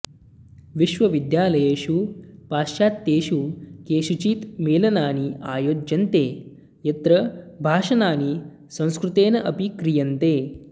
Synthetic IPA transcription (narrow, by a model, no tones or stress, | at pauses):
ʋiʃʋɐʋid̪jaːlɐjeːʃuːpaːʃjaːt̪ːeːʃukeːʃut͡ʃiːt̪meːlɐnaːniaːjoːd͡ʒɐnt̪eː | jɐt̪ɾɐbʱaːʃɐnaːni | sɐ̃w̃skɾut̪eːnɐʔɐpikɾijɐnt̪eː